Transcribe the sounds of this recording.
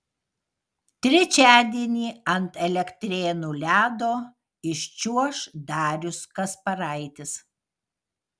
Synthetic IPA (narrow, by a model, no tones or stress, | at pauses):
t̪ʲɾʲɛt͡ʃʲæːd̪ʲiɛnʲiːɐnt̪ɛlʲɛkt̪ʲɾʲeːnuːlʲæːd̪oː | ɪʃʲt͡ʃʲuɔʃd̪ɑːɾʲʊskɐspɐɾɐɪt̪ʲɪs